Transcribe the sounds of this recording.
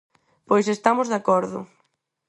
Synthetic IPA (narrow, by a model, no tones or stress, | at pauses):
pojsest̪amʊzðakɔɾðʊ̰